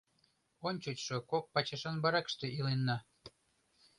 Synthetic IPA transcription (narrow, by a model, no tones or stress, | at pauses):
onʲt͡ɕut͡ɕʃokok̚pɑt͡ɕɑʃɑnbɑɾɑkʃt̪eʔilenːɑ